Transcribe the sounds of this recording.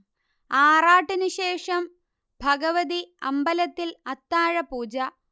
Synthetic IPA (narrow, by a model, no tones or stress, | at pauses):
aːraːʈːɨnɨɕe̞ːʂɐm | bʱɐɡɐʋɐðiɐ̰mbɐlɐt̪ːilɐt̪ːaːɻɐpuːd͡ʑɐ